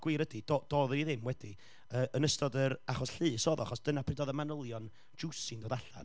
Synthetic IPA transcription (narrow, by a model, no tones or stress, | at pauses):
ɡ̥wɪɾədidɔd̥ɔðniðɪmwɛdi | əːʔənəstɔdəɾaχɔsɬɨːsɔːðɔa̰χɔsd̥ənapʰrɪdɔðəmanəlˠjɔn | d͡ʒusɨndoːdaɬa̰n